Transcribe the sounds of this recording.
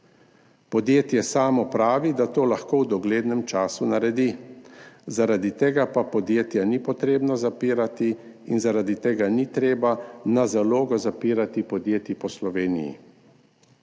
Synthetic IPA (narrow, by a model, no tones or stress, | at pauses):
pɔd̪jeːt̪jɛsaːmɔpɾaːʋid̪at̪oːlaxkoːwd̪ɔɡleːd̪nɛmt͡ʃaːsunaɾɛd̪i | zaɾad̪it̪eːɡapapɔd̪jeːt̪janipɔt̪ɾeːbnazapiːɾat̪i | inzaɾad̪it̪eːɡanit̪ɾeːbanazaloːɡɔzapiːɾat̪ipɔd̪jeːt̪ipɔslɔʋeːnḭjḭ